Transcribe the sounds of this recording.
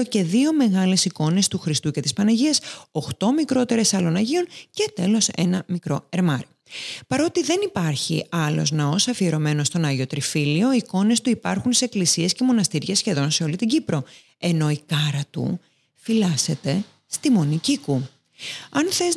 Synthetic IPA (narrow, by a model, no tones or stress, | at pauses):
oce̞ðio̞me̞ɣɐle̞siko̞ne̞st̪uxɾist̪uce̞t̪ispɐnɐʝiɐsoxt̪o̞mikɾo̞t̪e̞ɾe̞sɐlo̞nɐʝio̞nce̞t̪e̞lo̞se̞̰nɐmikɾo̞e̞ɾmɐɾi | pɐɾo̞t̪iðe̞nipɐɾçḭɐlo̞̰znɐo̞sɐfieɾo̞me̞no̞st̪o̞nɐʝio̞t̪ɾifilio̞iko̞ne̞st̪uipɐɾxunseeklisie̞sce̞mo̞nɐst̪iɾʝesçe̞ðo̞nse̞o̞lit̪iɟipɾo̞ | e̞no̞ikɐɾɐt̪ṵ | filɐse̞t̪e̞ | st̪imo̞niciku | ɐnθe̞z